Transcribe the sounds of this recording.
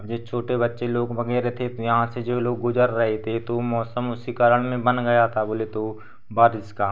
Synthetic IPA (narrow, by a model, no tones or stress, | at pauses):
bd͡ʒet͡ʃʰoːʈebɐtːʃeloːɡʋɐɡɛːɾet̪ʰet̪jɐɦãsed͡ʒoːloːɡːʊd͡ʒəɾːɐɦet̪ʰet̪omɔːsəmʊsikəɾəɽ̃mẽbɐnɡɐjat̪ʰaboːlet̪o | baːɾɪska